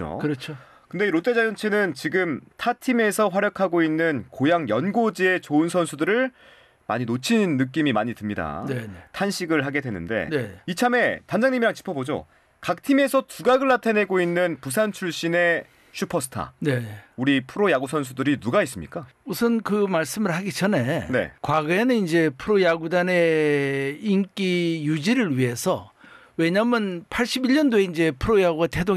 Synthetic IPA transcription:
o̰kɯɾʌt͡ɕʰo | kɯnde̞ɾot͈e̞d͡ʑajʌnt͡ɕʰe̞nɯnt͡ɕiɡɯmtʰatʰime̞sʰʌɸwaɾjʌkʰaɡoinːɯnkojaŋjʌnɡod͡ʑie̞t͡ɕoɯnsʰʌnsʰudɯɾɯɭ | ma̰ɲinot͡ɕʰinnːɯk̬͈imimaɲitɯmɲida̰ntʰanɕʰiɡɯɭɦaɡe̞dwe̞nːɯ̰nde̞̰neit͡ɕʰame̞tand͡ʑaŋɲimiɾaŋt͡ɕi̥pʰʌbod͡ʑo̰ | kak̚tʰime̞sʰʌtuɡaɡɯɭːatʰene̞ɡoinːɯnpus̬ʰant͡ɕʰuɭɕ͈ine̞ | ɕʰupʰʌsʰɯ̥tʰa̰ne̞uɾipʰɯɾojaɡusʰʌnsʰudɯɾinuɡais͈ɯmɲḭk͈a | usʰɯnkɯmaɭs͈ɯmɯɭhaɡit͡ɕʰʌnene̞̰kwaɡɯenɯnind͡ʑe̞pʰɯɾojaɡudane̞ | ink͈ijud͡ʑiɾɯɭɥiɦe̞sʰʌ̰ | we̞ɲamɯnpʰaɭɕ͈ibiɭːʌndoe̞ind͡ʑe̞pʰɯɾojaɡoɡate̞do

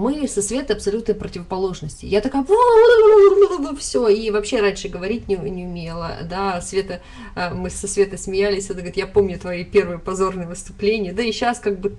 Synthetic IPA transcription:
mɨsɐsvʲe̞t̪əɐpsɐlʲut̪nəjpɾətʲɪvəpɐlˠo̞ʐnəsʲtʲɪ̰jat̪ɐkajʊvood̪aob̪lod̪ofsʲoivɐpɕe̞ɾanʲʂɨɡəvɐɾʲit̚ʲnʲɪnʲɪʊmʲelˠə̰d̪asvʲe̞t̪ə | mɨsːɐsvʲe̞t̪əsmʲɪjælʲɪsʲɐd̪ɡəɾʲɪt̪japo̞mnʲʊt̪vɐipʲe̞rvɨjəpɐzo̞rnɨjəvɨst̪ʊplʲenʲɪjəd̪aiɕːaskaɡ̚bɨ

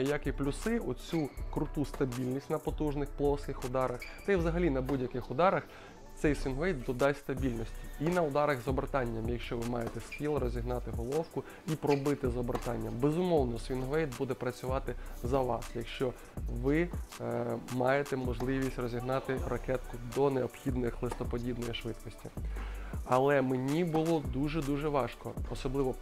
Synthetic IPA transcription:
jakʲiplʲʊsɪɔt͡sʲukɾʊt̪ust̪ɐbʲilʲnʲisʲtʲnɐpɔt̪uʒnɪxplˠɔskɪxʊd̪ɑɾɐxt̪ɐjwzɐɦɐlʲinɐbudʲjɐkɪxʊd̪ɑɾɐx | t̪sɛjsʋʲinʋɛjd̪̚d̪ɔd̪ɑjst̪ɐbʲilʲnɔsʲtʲiinɐʊd̪ɑɾɐɣzɔbrt̪ɑnʲːɐmjɐkʃt͡ʃɔʋɪmɑjet̪ɛstʲilˠɐɾɔzʲiɦnɑt̪ɪɦɔlˠɔwkʊ | ipɾɔbɪt̪ɪzɔbert̪ɑnʲːɐmbɛzʊmɔwnɔsʋʲinɦʋɛjt̪̚bud̪ɛpɾɐt͡sʲʊʋɑt̪ɪzɐʋɑ̰sjɐkʃt͡ʃɔ | ʋɪ | mɑjet̪ɛmɔʒlˠɪʋʲisʲtʲrɔzʲiɦnɑt̪ɪrɐkɛt̪kʊd̪ɔneɔbxʲid̪nɪxlˠɪst̪ɔpɔdʲid̪nɔjiʃʋɪt̪kɔsʲtʲi | ɐlˠɛmenʲibʊlˠɔd̪uʒɛd̪uʒɛʋɑʃkɔːsɔblˠɪʋɔ

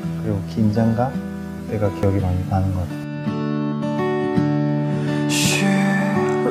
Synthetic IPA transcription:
kɯɾiɡokind͡ʑaŋɡa | teɡakijʌɡimanipanɯnɡʌat | ɕʰy

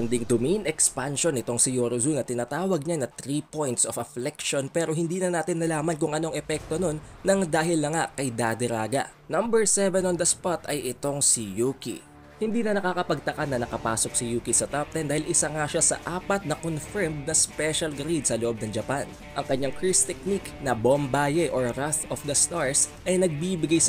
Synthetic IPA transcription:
ɐnd̪ɪŋd̪ʊminɛkspanʃo̞nɪt̪o̞ŋsɪjoɾozunɐt̪ɪnaːt̪aːwɐɡ̚ɲanɐt̪ɾipojnt̪sofɐflɛkʃo̞npɛːɾo̞ɦɪnd̪iːnɐnaːt̪ɪnːɐlaːmɐnk̬ʊŋʔɐno̞ɐŋʔɛpɛk̚t̪o̞no̞nːɐŋd̪aːɦɪlnɐŋakɐjd̪ad̪ɛɾaːɡɐ̰ | nɐmbɛɹsɛvɛnond̪ɐspat̪ɐjʔɪt̪o̞ŋsijukḭ | hɪnd̪iːnɐnɐkaːkɐpɐɡ̚t̪ɐkanːɐnɐkɐpa̰ːso̞k̚sijuːkisɐt̪ap̚t̪ɛnd̪aːhɪlʔɪsaŋaʃasɐ̰ʔaːpɐt̪̚nɐkonfɛɹmd̪̚nɐspɛʃɐlɡɾid̪̚sɐloʔo̞b̚nɐŋd͡ʒɐpan | ʔɐŋkɐɲːaŋkɹist̪ɛk̚niknɐbombaːjɛʔoɹɾaθofd̪ɐst̪aɹsʔɐjnɐɡ̚bibɪɡajs

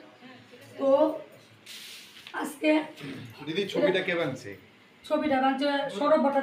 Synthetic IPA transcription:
t̪o | asked̪id̪it͡ɕʰobiʈakeβant͡ɕʰḛ | t͡ɕʰobiʈabant͡ɕeʃɔɾob̚baʈa

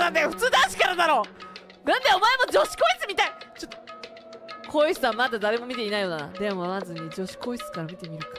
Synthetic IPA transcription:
at̪ːeɸɯ̟̥t͡sɨːd̪aɕi̥kaɾad̪aɾo̞ː | nãnd̪eo̞maemo̞d͡ʑo̞ɕi̥koisɨmʲit̪ait͡ɕot̪ːo | kʰo̞isɨaamad̪ad̪aɾe̞mo̞mʲit̪e̞inaijonaad̪emomazɨɲ̟id͡ʑo̞ɕi̥ko̞isɨ̥kaɾamʲit̪e̞mʲiɾɯ̟kḁ

